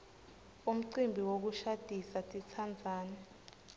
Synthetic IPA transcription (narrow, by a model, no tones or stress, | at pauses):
um̩ǀimbʱiwok̬uʃad̥ʱisatʼit͡sʰand͡zʱaːnɛ